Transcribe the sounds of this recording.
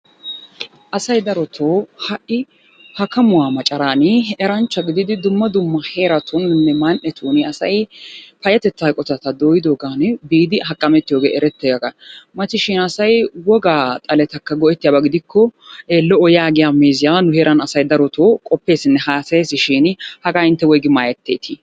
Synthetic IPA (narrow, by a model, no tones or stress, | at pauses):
ʔɐsɐjd̪ɐɾɔt̪ʰoːhɐʔɪ | hɐkɐmʊwaːmɐt͡ʃʼɐɾaːnɪʔɛɾɐnt͡ʃːɐɡɪd̪ɪd̪ɪd̪ʊmːɐd̪ʊmːɐhe̞ːɾɐt̪ʰʊnnːɛmanʔɛt̪ʰuːnɪɐsɐjpɐjɐt̪ɛt͡s̪ːaːjkʼɔt̪ɐt̪ɐd̪oːjɪd̪oːɡaːnbiːd̪ɪɦɐkʼːɐmɛt̪ːɪjoːɡḛːʔɛɾɛt̪ːeːɡɐɡɐmɐt̪ːɪʃɪnɐsɐjwɔɡaːt̪ʼɐlɛt̪ɐkːɐɡɔɛt̪ːɪjaːbɐɡɪd̪ɪkʰːɔʔeːlːɔɔjaːɡɪjaːmeːzɪjaːnʊhe̞ːɾʔɐnɐsɐjd̪ɐɾɔt̪oːkʼɔpːe̞ːsɪnːɛhaːseːsɪʃɪnhɐɡaːɪnt̪ːɛwɔjɡɪmaːjɛt̪ːeːt̪ʰɪ